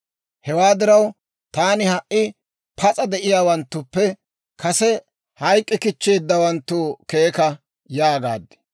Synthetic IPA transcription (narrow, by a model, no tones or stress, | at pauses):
hɛwaːd̪ɪɾɐw | t̪aːnɪhɐʔːɪ | pʰɐt͡sʼɐd̪ɛʔɪjaːwɐnt̪ːʊpːɛ | kɐsɛ | hɐjkʼːɪkɪt͡ʃːe̞ːd̪ːɐwɐnt̪ːuːke̞ːkɐ | jaːɡa̰ːd̪ːɛ̥